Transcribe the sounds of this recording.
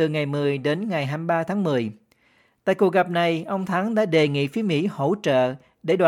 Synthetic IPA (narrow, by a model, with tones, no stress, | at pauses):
ɨ˨˩ŋa˨˩jmɨ˨˩əjɗe˨˦nŋa˨˩jɦaː˧mɓaː˧t̪ʰaː˨˦ŋmɨ˨˩əj | t̪a̰ː˧˨jku˩ək̚ɣə˨˩p̚na˨˩jʔə˧wŋ͡mt̪ʰaː˨˦ŋɗa̰ː˧˥ɗe˨˩ŋḭ˧˨fi˨˦əmḭ˧˥ho̰˧˥t͡ɕə̰ː˧˨ | ɗe˧˩ɗwa˨